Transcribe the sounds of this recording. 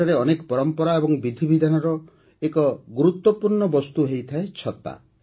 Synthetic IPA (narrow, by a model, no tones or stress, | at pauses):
aɾeɔnekɔ̥pɔɾɔmpɔɾaebɔŋbid̪ʱibid̪ʱanɔɾɔ | ekɔɡuɾut̪wɔpuɾɳɔbɔst̪uɦejt̪ʰaet͡ʃʰɔt̪a̰